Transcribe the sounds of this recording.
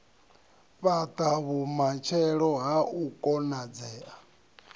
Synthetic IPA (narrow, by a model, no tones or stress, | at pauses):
ɸat̪ʼaβumat͡ʃʰɛɺɔɦaukʼɔnad͡zɛːʔa